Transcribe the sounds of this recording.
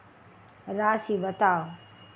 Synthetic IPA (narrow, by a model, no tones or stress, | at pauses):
ɾaːsiːbɐt̪aː